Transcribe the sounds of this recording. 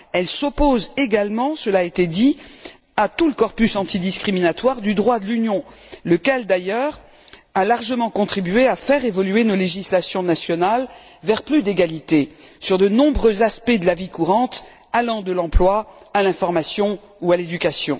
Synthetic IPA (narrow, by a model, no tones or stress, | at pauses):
ɛlsopozeɡalmɑ̃səlaet̪ed̪i | at̪uləkɔʁpysɑ̃t̪ʰid̪iskχiminat̪waʁd̪yd̪ʁwad̪əlynjɔ̃ləkʲɛld̪ajœʁ | alaʁʒəmɑ̃kɔ̃t̪χibɥeafɛʁevɔlyenoleʒislasjɔ̃nasjɔnal | vɛʁplyd̪eɡalit̪esyʁd̪ənɔ̃bʁøzaspɛd̪əlavikuʁɑ̃t̪ | alɑ̃d̪əlɑ̃plwaːlɛ̃fɔʁmasjɔ̃ | ualed̪ykasjɔ̰̃